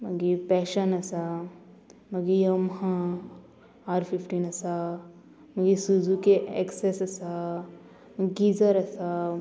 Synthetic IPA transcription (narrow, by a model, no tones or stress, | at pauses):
mɐɡipɛːʃɐnɐsa | mɐɡijɐmɦã | aːɾpʰifʈinɐsa | mɐɡisud͡ʒukeḛksesɐsa | mɡizɐɾɐsa